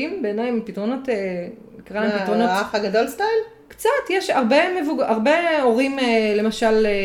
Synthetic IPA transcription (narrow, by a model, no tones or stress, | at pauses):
imbeːnajmpitʁo̞no̞te | ikʁalaemmpitʁonoafaɡadolstajl | kt͡satjeʃaʁbemevuɡaʁbeoʁimele̞maʃale